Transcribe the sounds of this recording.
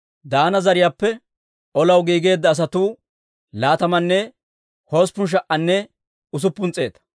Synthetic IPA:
d̪aːnɐzɐɾɪjaːpːɛ | ʔɔlɐwɡiːɡe̞ːd̪ːɐːs̬ɐt̪uː | laːt̪ɐmɐnːɛ | ho̞ːspːʊnʃ̬ɐʔɐnːɛ | ʊs̬ʊpːʊnt͡sʼe̞ːt̪ɐ̥

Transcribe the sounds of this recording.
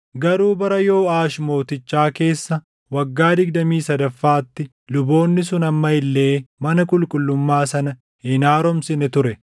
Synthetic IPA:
ɡɐɾuːbɐɾɐjo̞ːaːʃmo̞ːt̪ɪt͡ʃːaːke̞ːsːɐ | wɐɡːaːd̪ɪɡ̚d̪ɐmiːsɐd̪ɐfːaːt̪ːɪ | lʊbo̞ːnːɪsʊnɐmːɐɪlːe̞ːmɐnɐkʼʊlkʼʊlːʊmːaːsɐnɐ | hɪnaːɾɔmsɪnɛt̪ʊɾɛ

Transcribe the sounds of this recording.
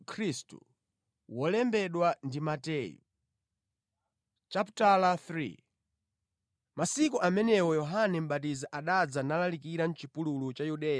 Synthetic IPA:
kʰɾistṵ | wɔlɛmbɛɗwandimatɛjṵ | t͡ʃaptalaθɾḭ | masikuʔamɛnɛwɔjɔɦanɛm̩ɓat̬izaʔaɗad͡zanalalikiɾan̩t͡ʃipululut͡ʃajuɗɛːja

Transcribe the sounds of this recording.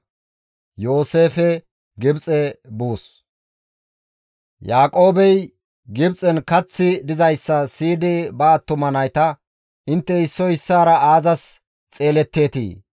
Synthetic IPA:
jo̞ːse̞ːfɛ | ɡɪbt͡sʼɛbuːs | jaːkʼo̞ːbɛj | ɡɪbt͡sʼɛnkɐt͡sːɪd̪ɪzɐjsːɐsiːd̪ɪbɐːt̪ːʊmɐnɐjt̪ɐ | ɪnt̪ːɛɪsːɔɪsːaːɾɐaːzɐs | t͡sʼe̞ːlɛt̪ːe̞ːt̪ḭː

